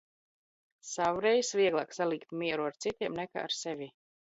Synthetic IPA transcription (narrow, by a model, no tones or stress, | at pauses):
sawɾɛjsviɛɡlˠaːksalˠikt̪miɛɾuaɾt̪sit̪ʲiɛmnɛka̰ːa̰ɾsɛvʲi